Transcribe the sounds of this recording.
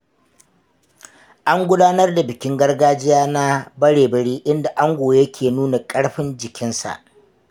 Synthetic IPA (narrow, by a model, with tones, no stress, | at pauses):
ʔa˦ŋɡʷʊ˦daː˦nɐ˦rda˨bɪ˨kʲɪ˦ŋɡɐ˦rɡaː˦d͡ʒɪ˦jaː˦na˦bɐ˦ɽeː˨bɐ˨ɽiː˦ʔɪ˦nda˨ʔa˦ŋɡʷoː˨jjɐ˦kʲʰeː˨nuː˦na˨kʼɐ˦ɽɸɪ˦nd͡ʒɪ˨kʲɪ˦nsa̰˨ʔ